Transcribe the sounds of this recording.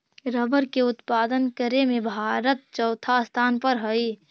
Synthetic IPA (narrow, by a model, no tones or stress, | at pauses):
ɾəbəɾkeʊt̪paːd̪ənkəɾemẽbʱaːɾət̪̚t͡ʃɔːt̪ʰast̪ʰaːnpəɾɦəi